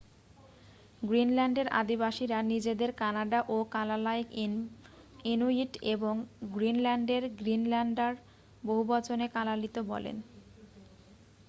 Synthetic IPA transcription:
ɡɾinlɛɳɖeɾʔa̰d̪ibaʃiɾanid͡ʑed̪eɾkanaɖaʔokalalaik | inoiʈeboŋɡɾinlɛɳɖeɾɡɾinlɛɳɖaɾ | boɦubɔt͡ɕʰonekalalit̪obɔ̰lḛn

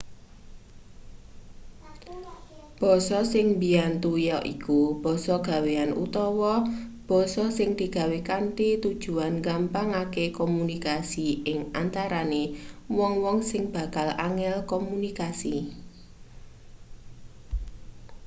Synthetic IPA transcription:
b̥ɔ̤sɔsɪŋbiant̪ujɔʔḭkub̥ɔ̤sɔɡ̥a̤weanṵt̪ɔwɔb̥ɔ̤sɔsɪŋd̪̥i̤ɡ̥a̤wekant̪it̪ud̥ʒ̥ṳanɡampaŋakekomunikasiɪŋant̪aɾanewɔŋwɔŋsɪŋb̥a̤kalaŋɛlkɔmunikasi

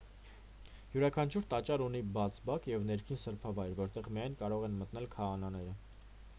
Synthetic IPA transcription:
juɾɑkʰɑnt͡ʃʰuɾt̪ɑt͡ʃɑɾunibɑt͡sʰbɑkjɛvnɛɾkʰinsəɾpʰɑvɑjɾvɔɾt̪ɛʁmiɑjnkɑɾɔʁɛnmət̪n̪ɛlkʰɑːnɑnɛɾə

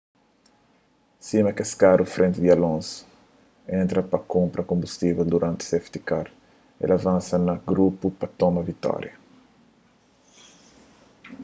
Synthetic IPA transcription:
simɐkeskaɾufɾʔẽnt̪ɪd̪iɐlõns | ẽnt̪ɾɐpɐkõmpɾɐkõmbust̪ivɛld̪uɾʔãnt̪ɪ̥seft̪ikaɾ | ḛlɐvãnsɐnɐɡɾupupɐt̪omɐvit̪ɔ̰ɾjɐ

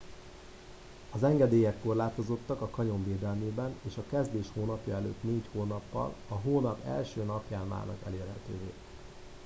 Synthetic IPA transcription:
ɒzɛŋɡɛd̪eːjɛkːo̞rlaːt̪o̞zo̞t̪ːɒkɒkɒɲo̞ɱveːd̪ɛlmeːbɛneːʃɒkɛzd̪eːʃhoːnɒpjɒɛlø̰ːt̪neːchoːnɒpːɒ̰lɒɦoːnɒpɛ̰lʃøːnɒpjaːnva̰ːnɒ̰kɛleːrhɛt̪ø̰ːvḛː

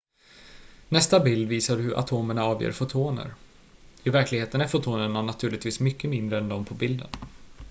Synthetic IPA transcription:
nɛst̪abɪld̪viːsaɖɵhɵɾʔa̰t̪ʰoːməɳaɑːvjḛːɾfʊt̪ʰoːnə̰ɾ | ɪvæɾklɪɡheːt̪ənæɾfʊt̪ʰuːnəɳanat̪ʰʉ̟ːɭɪt̪viːsmʏkːəmɪnd̪ɾəɛnd̪ɔmpʰɔbɪld̪ə̰n

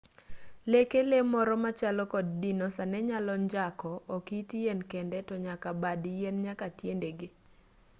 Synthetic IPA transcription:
lekelemɔɾɔmat͡ʃalɔkɔd̚dinosanɛɲalɔɲd͡ʒakɔːkitijenkendɛtɔɲakabadjenɲakatjendeɡɪ

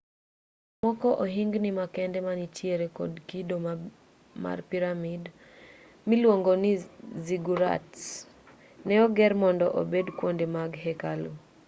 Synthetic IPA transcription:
mɔkɔʔoɦiŋɡnɪmakɛndɛmanit͡ʃjeɾekɔ̰dkido | ma̰rpiɾamid | milwoŋɡonɪziɡuɾa̰t | nɛɔɡɛrmɔndɔʔo̰bedkwondemaɡɦɛkalu

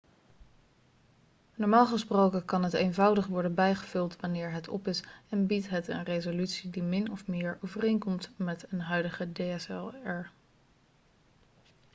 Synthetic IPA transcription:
nɔɹmaːlˠχəsprowkəkɑnɦətejnvɑwdəχʋɔɹdənbɛjχəv̥ɵlˠtʋɑnɪːɹɦətʰɔ̰pɪsɛnbitɦətə̰nrejzolytsidimɪnɔfmɪːɹowvərejnkɔmtmɛtənɦœɥdəχədeɛsɛlɛɹ

